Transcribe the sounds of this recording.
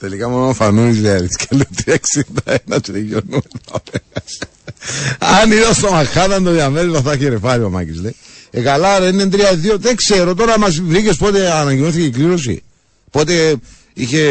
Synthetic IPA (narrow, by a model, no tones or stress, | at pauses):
t̪elikamonofanuizeɐðiskelːut̪ieksint̪ɐenɐt͡ʃejonuet̪ɐ̰pes | aniðost̪omaxaðɐnd̪oiɐmelvaθɐçeɾefɐɾioma̰cizlej | ekalaɾenːent̪ɾiɐðioðeŋkseɾot̪̬oɾɐmɐsvɾicespot̪eanɐɲɟimoθicekliɾos̬ḭ | pot̪e | içe